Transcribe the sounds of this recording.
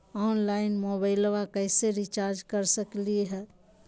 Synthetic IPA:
ɔːnlaːɪnmoːbaːɪlʋakɛːseɾit͡ʃaːɾd͡ʒkɐɾsəkliɦɛː

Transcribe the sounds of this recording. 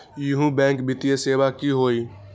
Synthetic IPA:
jʊɦũːbɛ̃ːŋkbɪt̪ɪjeseːʋaːkiːɦoːiː

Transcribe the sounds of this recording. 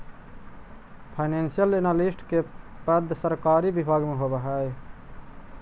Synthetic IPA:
pʰaɪnensijəlenalisʈkepəd̪ʱːsəɾkaːɾibibʱaɡmeɦobəɦəj

